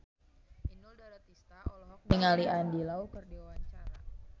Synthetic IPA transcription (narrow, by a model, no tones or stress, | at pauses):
niŋaliʔandilaukərdewat͡ʃaɾa